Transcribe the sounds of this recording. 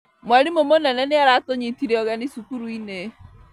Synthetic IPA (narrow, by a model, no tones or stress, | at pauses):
mwaɾimomonɛnɛneaɾatoɲitiɾeɔɣɛnisukuɾuine